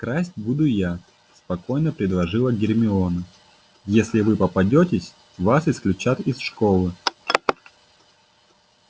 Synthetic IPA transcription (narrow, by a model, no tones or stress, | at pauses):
kɾasʲtʲbud̪ʊja | spɐko̞jnəpɾʲɪd̪lˠɐʐɨlˠəɡʲɪrmʲɪonə | jesʲlʲɪvɨpəpɐdʲotʲɪsʲ | vasɪsklʲʉt͡ɕat̪ɪsʂko̞lˠɨ